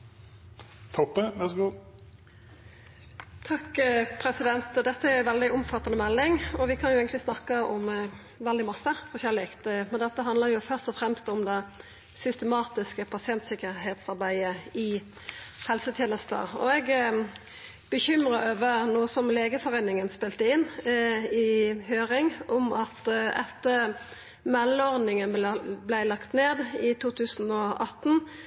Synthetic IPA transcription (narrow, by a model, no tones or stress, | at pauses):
t̪ʰɔpːəʋæsɡu | t̪ʰɑkːpʰɾɛsɪd̪ɛnt̪ɔd̪ɛt̪ːəæɾʊɪʋɛld̪ɪʔʊmfɑt̪ːɑnəmɛlːɪŋɔʋɪkʰɑnjʊeːɡət̪lɪsnɑkːəʔɔm | ʋɛld̪ɪmɑsːəfɔɕæʁlɪkt̪mɛnd̪ɛt̪ːəɦɑnd̪ləɾjʊfœʁst̪ɔfʁɛmst̪ɔmd̪ɛ | sʏst̪əmɑːt̪ɪskəpʰɑsɪɛnt̪sɪkəɾɦeːt̪sɑɾbæɪəɪ | hɛlsət̪ʰjeːnəst̪ə̰ɔ̰ɛɡ | b̥əçʏmʁəøːʋəʁnoːəsɔmleːɡəfɔʁeɪnɪŋənspɪlt̪əɪnː | ɪɦøːʁɪŋʊmɑt̪ɛ̰t̪ːə | mɛlːəɔʁd̪nɪŋənblæɪlɑkt̪neːd̪ɪt̪ʰuːt̪ʰʉːsnɔɑt̪n̩